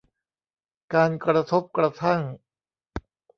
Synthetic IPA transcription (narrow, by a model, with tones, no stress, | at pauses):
kaː˧nkɾa˧t̪ʰo˦˥p̚kɾa˧t̪ʰa˥˩ŋ